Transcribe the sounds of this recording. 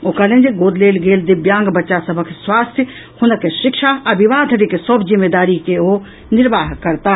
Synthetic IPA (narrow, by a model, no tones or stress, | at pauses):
oːkalẽnd͡ʒeɡoːd̪leːlɡeːld̪ɪbjãːŋɡbɐtːʃasɐbʱəkʰswaːst̪ʰjə | hʊnəkeʃɪkʃaɐʋɪʋaːd̪ʱəɾikesobzɪmːeːd̪aːɾikeoː | nɪɾʋaːɦkɐɾt̪a